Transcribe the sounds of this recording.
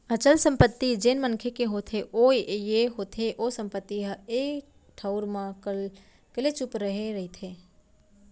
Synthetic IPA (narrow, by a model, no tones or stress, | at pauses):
ət͡ʃəlsə̃mpət̪ːid͡ʒeːnmənkʰekeɦot̪ʰeʔojeɦot̪ʰeʔosə̃mpət̪ːiɦəe | ʈʰəʊɾmã | kəlet͡ʃʊpɾəɦeɾəit̪ʰe